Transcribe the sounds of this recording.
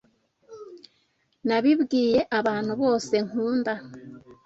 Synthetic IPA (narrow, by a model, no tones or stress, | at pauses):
naβiβɡiːje̞ʔaβaːn̥huβo̞ːse̞ŋuːnda